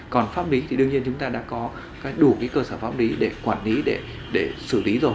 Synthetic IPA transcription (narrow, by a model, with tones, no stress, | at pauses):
kɔ˨˩nfaː˦˥p̚li˨˦t̪ʰi˨˩ɗɨ˧əŋɲi˧ənt͡ɕʊ˨˦ŋ͡mt̪aː˧ɗa̰ː˧˥kɔ˨˦ | kaː˨˦jɗu˧˩kaː˨˦jkəː˧səː˧˩faː˦˥p̚li˨˦ɗe˧˩kwaː˧˩nli˨˦ɗe˧˩ | ɗe˧˩sɨ˧˩li˨˦zo˨˩